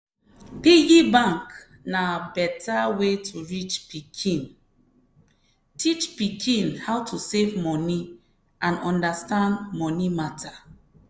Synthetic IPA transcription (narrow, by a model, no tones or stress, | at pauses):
pijibãŋk | nabɛtawetʰuɹit͡ʃpikʰĩn | tʰit͡ʃpikʰĩnhawtʰusevmɔni | ʔãnɔ̃ndastãndmɔnimatʰa